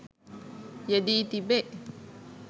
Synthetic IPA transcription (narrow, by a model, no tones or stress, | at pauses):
d͡ʒadit̪ibɛʔ